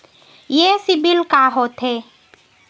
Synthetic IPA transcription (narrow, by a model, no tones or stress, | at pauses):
jesɪbilkaɦoːt̪ɦe